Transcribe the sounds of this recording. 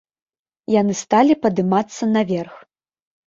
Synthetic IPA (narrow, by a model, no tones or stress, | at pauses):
janɨst̪alʲipɐd̪ɨmat̪sːɐnɐvʲɛrx